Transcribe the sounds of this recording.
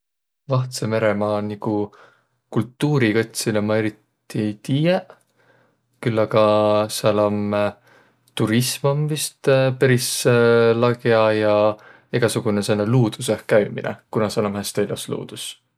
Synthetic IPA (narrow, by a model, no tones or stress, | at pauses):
vɑht̪seme̞ɾemɑːniku | kult̪ːuːɾikɤt̪ʲsilemɑe̞ɾit̪ːˑ | it̪iːje | kylːɑɡɑsɑlom | t̪uɾismɑmvist̪peɾislɑɡeɑjɑ | iɡ̥ɑsuɡ̥unesenːeluːd̪̥usehkːæjmḭnḛkunɑseɑlomhæst̪elʲɑslṵːd̪̥us